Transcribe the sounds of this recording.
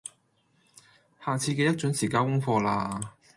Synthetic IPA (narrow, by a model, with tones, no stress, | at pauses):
haː˨t͡sʰiː˧kɛ˧jɐ˥t̚t͡ʃɵ˨˥ŋsiː˨˩kaː˧nkʊ˥ŋfɔː˧laː˧